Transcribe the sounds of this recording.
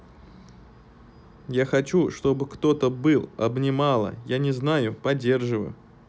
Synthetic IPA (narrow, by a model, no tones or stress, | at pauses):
jaxɐt͡ɕuʂt̪o̞bɨkt̪o̞t̪əbɨlˠɐbnʲɪmalˠə̰janʲɪznajʊpɐdʲːe̞rʐɨvə̰jʊ